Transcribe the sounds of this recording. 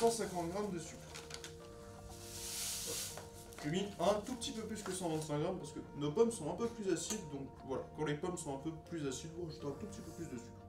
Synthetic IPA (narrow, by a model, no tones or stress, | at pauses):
sɑ̃sɛ̃kɑ̃t̪ɡʁamd̪əsy | ʒəmiɛ̃t̪up̚t̪ipøplyskəsɑ̃vɛ̃sɛ̃ɡʁampaʁsə̥kənopɔmsɔ̃ɛ̃pøplyzasid̪d̪ɔ̃k | vwala̰kɑ̃lepɔmsɔ̃ɛ̃pøplyzasid̪ũʁəʒu̥t̪ɛ̃t̪upət̪ipøplysd̪əsy̥